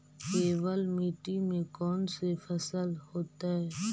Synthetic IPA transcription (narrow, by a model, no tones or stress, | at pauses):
keːʋəlmiːʈimẽkɔːnsefʰəsəlhoːt̪aɦɛː